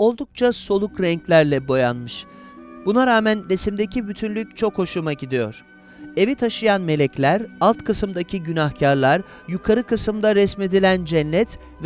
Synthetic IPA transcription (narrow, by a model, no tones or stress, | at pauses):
o̞lˠd̪uk̚t͡ʃʰaso̞lˠukɾɛɲclʲæɾlʲɛbo̞janmɯʃ | bunaɾaːmænɾe̞simd̪e̞cibyt̪ʰynlʲyc̚ʲt͡ʃʰo̞kʰːo̞ʃumaɟid̪ijo̞̰ɾ̥ | e̞vit̪ʰaʃɯjanme̞lʲɛclʲæɾalˠt̪kʰɯsɯmd̪acʰiɟynahcʰaɾlˠaɾ | jukʰaɾɯkɯsɯmd̪aɾɛsme̞d̪ilʲænd͡ʒɛnʲlʲːɛt̪ | v